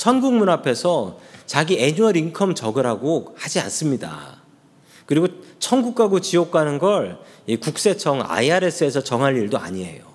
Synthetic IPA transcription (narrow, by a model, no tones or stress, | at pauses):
t͡ɕʰʌnɡuŋmunapʰe̞sʰʌt͡ɕaɡie̞ɲuʌɾiŋkʰʌmt͡ɕʌɡɯɾɦaɡohad͡ʑia̰ns͈ɯmɲida̰ | kɯɾiɡot͡ɕʰʌnɡuk̚k͈aɡot͡ɕijok͈anɯnɡʌɭikuk̚s͈e̞t͡ɕʰʌŋa̰iaɾe̞s͈ʰɯe̞sʰʌt͡ɕʌŋɦaʎːiɭdoa̰ɲie̞̰jo